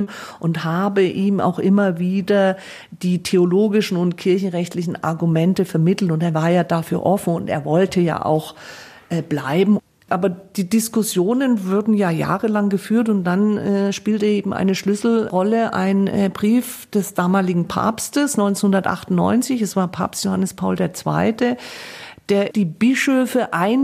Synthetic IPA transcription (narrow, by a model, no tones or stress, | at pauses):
ʔʊnthaːbəʔiːma̰ʊxʔɪmɐviːdɐ | d̥iːtʰeoloːɡɪʃn̩ʊntkʰɪɐçn̩ʁɛçtlɪçn̩ʔa̰ɐɡumɛntəfɛɐmɪtl̩tʊnteːɐvaːɐjaːdafyːɐʔɔfn̩ʊntḛːɐvɔltʰəja̰ːʔa̰ʊx | ʔbla̰ɪbm̩ | ʔaːbɐd̥iːdɪskʊsjoːnənvʊɐdn̩jaːja̰ːʁəlaŋɡəfyːɐtʊnt̚d̥anɛːʃpiːltəʔeːbm̩ʔa̰ɪnəʃlʏsl̩ʁɔləʔa̰ɪnbʁiːf | d̥ɛsd̥aːmaːlɪɡŋ̩pʰa̰ːpstəsnɔʏnt͡snhʊndɐtʔa̰χtʊnnɔ̰ʏnt͡sɪçɛsv̥aːɐpʰa̰ːpstjohanəspʰaʊldeːɐt͡sv̥a̰ɪtə | d̥eːɐd̥iːbɪʃøːfəʔaɪn